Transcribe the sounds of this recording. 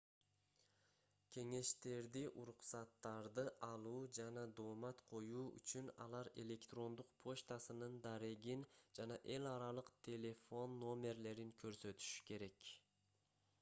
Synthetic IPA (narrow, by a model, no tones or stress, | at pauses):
kʲʰe̞ŋe̞ʃt̪e̞ɾd̪iʔuɾuqsɑt̪ːɑɾd̪ɯʔɑlˠuːd͡ʒɑnɑd̪o̞ːmɑt̪qʰo̞juːy̰t͡ʃynɑ̰lˠɑɾe̞lʲe̞kt̪ro̞nd̪uqpʰo̞ʃt̪asɯnɯnd̪ɑɾeɡind͡ʒɑnɑʔe̞lɑɾɑlˠɯqt̪ʲʰe̞lʲe̞fo̞nːo̞mʲe̞ɾle̞ɾiŋkʰø̞ɾsø̞t̪y̥ʃy̥ke̞ɾe̞k